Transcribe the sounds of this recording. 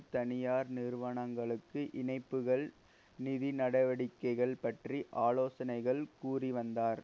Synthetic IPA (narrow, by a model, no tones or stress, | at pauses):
t̪ɐnɪjaːɾnɪrʋɐɳɐŋɡɐɭɯkːɯʔɪnɐɪpːɯɣɐɭ | nɪðinɐɽɐʋɐɽɪkːɐɪɣɐɭpɐʈriʔaːloːsɐnɐɪɣɐɭkuːriʋɐnd̪aːɾ